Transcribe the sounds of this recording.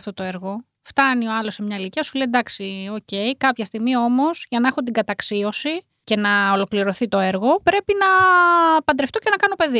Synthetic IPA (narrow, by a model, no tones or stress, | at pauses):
ft̪o̞t̪o̞eɾɣo̞ | ft̪ɐnio̞ɐlo̞semɲɐiliciɐsulejd̪ɐksio̞ce̞jkɐpçɐst̪iɣmio̞mo̞z̥ʝɐnɐexont̪iɡɐt̪ɐksio̞si | ce̞nɐolo̞kliɾo̞θit̪o̞e̞ɾɣo̞pɾe̞pinɐ | pɐnd̪ɾeft̪o̞ce̞nɐkɐno̞pe̞ði